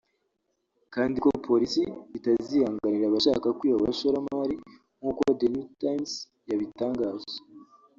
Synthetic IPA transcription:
kaːndiko̞pʰo̞ɾisiβitaziːhaːŋɡaniɾaβaʃaːkakwiːβaβaʃoɾamaːɾi | ŋ̥huːkodenutajms | jaβitaːŋɡaːzḁ

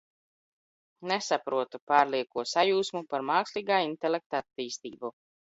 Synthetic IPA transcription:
nɛsapɾuɔt̪upaːɾliɛkuɔsajuːsmupaɾmaːksliːɡaːint̪ɛlʲek̚t̪at̪ːiːst̪ḭːbu

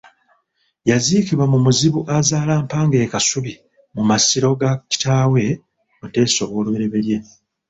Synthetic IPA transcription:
jaziːkiβwamumuziβuʔazaːlaːmpaːŋɡe̞ːkasuβi | mumasiɾo̞ɡaci̥taːwe̞ | ote̞ːso̞βo̞ːlwe̞ɾe̞βe̞ɾje̞

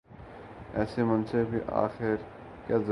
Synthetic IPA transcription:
ɛːsemɐ̃nsebʱiʔa̰ːxɪɾ | kaːzə

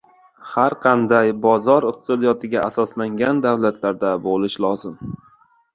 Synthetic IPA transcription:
haɾqʰɑnd̪ajbɒzɒɾɪq̚t̪ʰɪ̥sɒd̪ijɒt̪ʰɪɡʲaasɒslaŋɡʲand̪awlat̪ʰlaɾd̪abolɪʃlɒzɪm

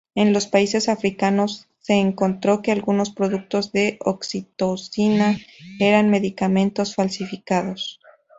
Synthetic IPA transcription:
e̞nlo̞spaise̞safɾikano̞sːe̞ːŋko̞nt̪ɾo̞ke̞alɣuno̞spɾo̞ðuk̚t̪o̞zðe̞ʔoksit̪osinae̞ɾanme̞ðikamẽ̞nt̪o̞sfalsifikaðo̞s

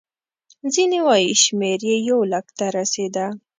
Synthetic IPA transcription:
zinewajiʃmeɾjejawləkt̪aɾased̪a

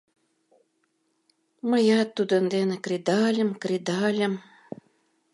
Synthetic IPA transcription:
məjɑt̪ːud̪ənd̪enĕkrid̪ɑlʲə̆mkrid̪ɑlʲə̆m

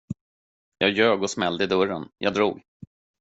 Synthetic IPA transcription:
jɑːjøːɡɔsmɛld̪əɪd̪ɵɾənjʔɑ̰ːd̪ɾṵːɡ

